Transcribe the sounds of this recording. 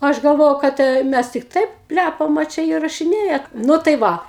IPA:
ˈɐʃ ɡɐlˠˈʋoːjɛʊ kɐt ɛ ˈmʲæs tʲɪk ˈtɐɪp ˈpʲlʲæpɐm ɐ ˈt͡ʃʲɛ iːrɐʃʲɪˈnʲeːjɛ ˈnʊ tɐɪ ˈʋɐ

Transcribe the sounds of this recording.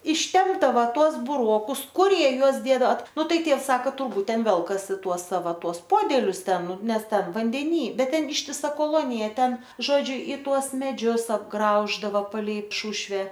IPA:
ɪʃʲˈtʲɛmbdɐʋɐ ˈtuɔs bʊˈroːkʊs ˈkʊr ˈjiɛ ˈjuɔs ˈdʲeːdɐʋɐ ˈnʊ ˈtɐɪ ˈtʲiɛws ˈsɑːkɐ tʊrˈbuːt ˈtʲɛn ˈʋʲɛlˠkɐsʲɪ ˈtuɔs ˈsɑːʋɐ ˈtuɔs ˈpoːdʲɛlʲʊs ˈtʲɛn ˈnʊ ˈnʲɛs ˈtʲɛn ʋɐnʲdʲɛˈnʲiː ˈbʲɛt ˈtʲɛn ɪʃʲtʲɪˈsɐ koːˈlˠoːnʲɪjɛ ˈtʲɛn ˈʒoːd͡ʒʲʊ ɪ ˈtuɔs mʲɛˈd͡ʒʲʊs ɐbˈɡrɐʊʒdɐʋɐ pɐˈlʲɛɪ ˈʃʊʃʲʋʲɛ

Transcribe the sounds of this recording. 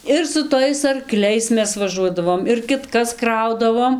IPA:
ɪr sʊ ˈtɐɪs ɐrˈklʲɛɪs ˈmʲɛs ʋɐˈʒuɔdɐʋoːm ɪr kʲɪtˈkɐs ˈkrɐʊdɐʋoːm

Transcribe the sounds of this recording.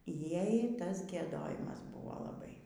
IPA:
ˈjɛɪ ˈtɐs ɡʲiɛˈdoːjɪmɐs ˈbʊʋoː lˠɐˈbɐɪ

